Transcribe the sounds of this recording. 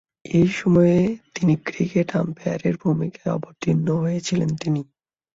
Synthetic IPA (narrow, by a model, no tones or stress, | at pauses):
ejʃɔmɔet̪inikɾikeʈa̰mpeaɾeɾbʱumikaeɔ̰boɾt̪ʰinːoɦojet͡ɕʰilent̪ini